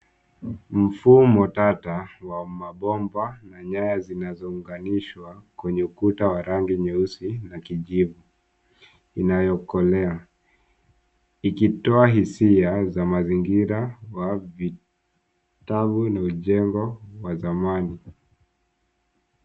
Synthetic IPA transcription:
m̩fumɔtatawamaɓɔmbanaɲajazinazɔuŋɡaniʃwakwɛɲɛukutawaɾaŋɡiɲɛusinakiʄivu | inajɔkɔlɛa | ikitɔaɦisiazamaziŋɡiɾawavi | taɓunauʄɛŋɡɔwazamani

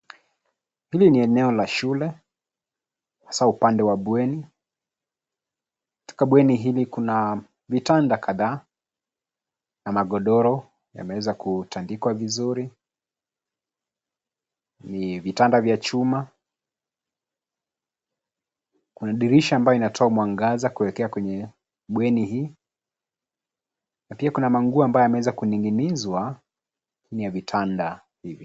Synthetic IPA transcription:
hiliniɛnɛɔlaʃulɛ | hasaupandɛwaɓwɛni | ku̥tɔ̥kaɓwɛniɦilikuna | vitandakʰaðaː | namaɡɔɗɔɾɔ | ja̰mɛwɛzakutandikwavizuɾi | nivitandavjat͡ʃuma | kunaɗiɾiʃaːmbajɔinatʰɔaumwaŋɡazakuɛɛkɛakwɛɲɛ | ɓwɛnihiː | napiakunamaŋɡuambajɔjamɛwɛzakuniŋɡinizwa | kʰinijavitʰanda | hivi

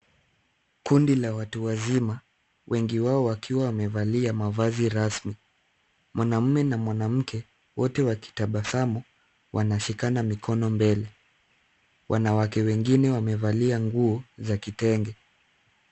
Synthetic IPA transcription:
kundilawatuwazima | wʔɛŋɡiwaɔwakʰiwawamɛvaliamavaziɾasmi | mwanam̩mɛnamwanam̩kʰɛ | wɔtɛwaki̥taɓasamɔ | wʔanaʃikanamikʰɔnɔmbɛlɛ | wʔanawakɛwɛŋɡinɛwamɛvaliaŋɡuɔzakitɛŋɡɛ

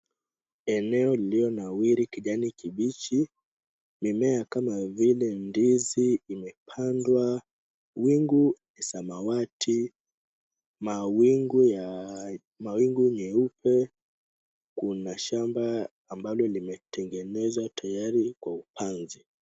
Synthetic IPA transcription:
ɛnɛɔliliɔnawiɾikiʄanikiɓit͡ʃi | mimɛakamavilɛndiziːmɛpʰandwa | wiŋɡunɛsamawatʰi | mawiŋɡ | mawiŋɡuɲɛupʰɛ | kunaʃambaː | mbalɔlimɛtʰɛŋɡɛnɛzwatʰajaɾikwaupʰanzi

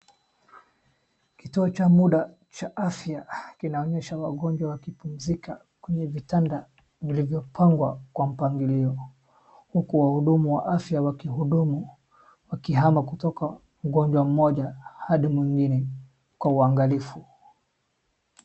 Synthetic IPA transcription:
kituɔt͡ʃamuɗa | t͡ʃaʔafjakinaɔɲɛʃawaɠɔɲd͡ʒwawakipum̩zika | kwɛɲɛvitanda | vilivjɔpʰaŋɡwa̰kwam̩paŋɡiliɔ | hukuwahuɗumuwa̰ʔafjawakihuɗumu | wakiɦamakutɔka | muɡɔɲd͡ʒwam̩mɔʄahaɗimwiŋɡinɛ | kwauaŋɡalifu

